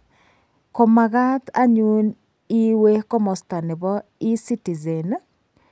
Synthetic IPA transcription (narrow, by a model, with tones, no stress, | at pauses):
ko˨ma˨ɣa˦t̪a̰˦ɲu˦n | i˦we˦ko˦mo˨sta˨ne˨βɔ˦ | i˦si˦ti˨ze˨n